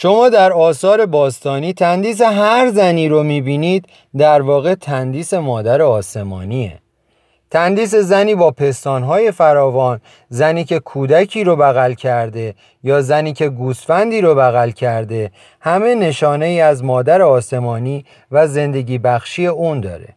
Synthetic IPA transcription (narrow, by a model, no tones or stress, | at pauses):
ʃo̞mɒːd̪æɾɒːsɒːɾe̞bɒːst̪ɒːniːt̪ʰænd̪iːs̬eɦæɾzæniːɾomiːbiːniːd̪ | d̪æɾvɒːɣe̞t̪ʰænd̪iːse̞mɒːd̪æɾeɒːse̞mɒ̰ːniḛ | t̪ʰænd̪iːs̬e̞zæniːbɒːpʰe̞st̪ɒːnɦɒːje̞fæɾɒːvɒːn | zæniːcʰe̞kʰuːd̪æcʰiːɾobæɣælcʰæɾd̪e̞ | jɒːzæniːcʰe̞ɡuːsfænd̪iːɾobæɣælcʰæɾd̪e̞ | hæme̞ne̞ʃɒːne̞iːæzmɒːd̪æɾeɒːse̞mɒːniː | væze̞nd̪e̞ɟiːbæxʃiːe̞uːnd̪ɒ̰ːɾe̞̰